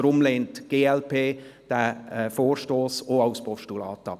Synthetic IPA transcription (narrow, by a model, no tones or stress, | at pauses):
ɾʊmleːntɡ̥eːɛlpʰeːd̥æɛfoːrʃtoːsoaʊspɔʃtulɑ̰ːtɑ̰p